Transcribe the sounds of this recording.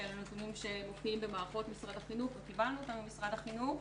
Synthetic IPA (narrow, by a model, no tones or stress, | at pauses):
elanutunimʃe̞mofiimbemaːʁaχo̞tmisʁadaχinuχvekivanːuot̪anumisʁadaχinuχ